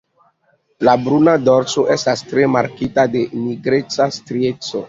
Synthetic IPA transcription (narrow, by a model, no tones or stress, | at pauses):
labɾunadoɾso̞ʔestastɾe̞maɾkitade̞miɡɾet͡sastɾiet͡so